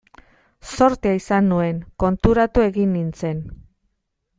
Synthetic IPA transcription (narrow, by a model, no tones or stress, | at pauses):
so̞ɾt̪iaisanːue̞ŋko̞nt̪uɾat̪ue̞ɣinːint͡se̞n